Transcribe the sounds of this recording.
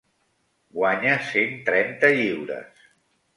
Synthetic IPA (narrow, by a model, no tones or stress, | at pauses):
ɡwaɲəsent̪ɾɛnt̪əʎiwɾə̰s